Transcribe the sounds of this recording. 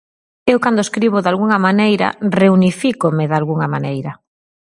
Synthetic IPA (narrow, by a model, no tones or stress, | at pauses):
ewkand̪oeskɾiβ̞ʊðalɣuŋamanejɾa̰reunifikomɪðalɣuŋamanejɾɐ